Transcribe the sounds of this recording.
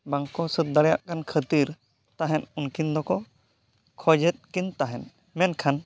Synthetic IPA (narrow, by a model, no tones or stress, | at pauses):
baŋkɔsət̪̚d̪aɽɛja̰ʔkankʰət̪iɾ | t̪aɦɛnunkind̪ɔkɔ | kʰɔd͡ʒɛt̪̚kint̪aɦɛn | mɛnkʰan